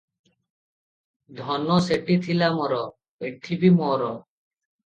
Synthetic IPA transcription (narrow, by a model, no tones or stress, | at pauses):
d̪ʱɔnɔseʈit̪ʰilamɔɾɔ | peʈʰːibimɔɾɔ